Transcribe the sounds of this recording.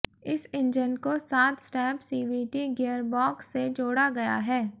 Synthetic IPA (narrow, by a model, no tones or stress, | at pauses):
ɪsɪ̃nd͡ʒənkosaːt̪sʈɛːpsiːbiːʈiɡeːəɾbɔːksːed͡ʒoːɽaɡɐja̰ɦɛː